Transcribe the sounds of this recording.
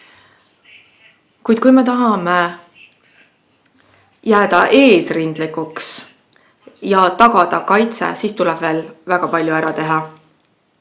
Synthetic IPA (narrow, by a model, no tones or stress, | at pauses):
kujd̪̥̚kujme̞t̪ɑɦɑme | jæːd̪̥ɑʔe̞ːsrind̪̥likuks | jɑt̪ɑɡ̥ɑd̪̥ɑkɑjt̪sḛsiːst̪ulɛb̥ve̞ːlvæɡ̥ɑpɑlʲjuæɾɑt̪e̞ɦɑ